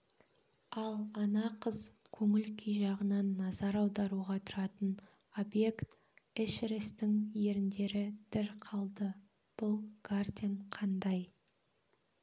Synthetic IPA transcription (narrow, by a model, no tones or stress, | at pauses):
ɑlˠɑnɑqʰəzkʲʰɵŋɪlkʲʰijʒɑʁənɑnːɑzɑɾɑwd̪ɑɾuʁɑt̪ʰʊɾɑt̪ən | o̞bje̞kt̪ | ɪʃɾɪst̪ɪŋje̞ɾɪnd̪e̞ɾɪd̪̥ɪɾqʰɑlˠd̪ə | b̥ʊlˠɡ̥ard̪ʲeɴqʰɑnd̪ɑj